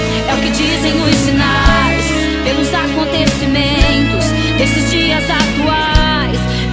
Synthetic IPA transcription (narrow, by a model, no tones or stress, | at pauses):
ɛʊkɪd͡ʒizẽj̃ʊssinajs | pelʊzakõnt̪esimẽnt̪ʊs | d̪esɪzd͡ʒiɐzat̪ua | js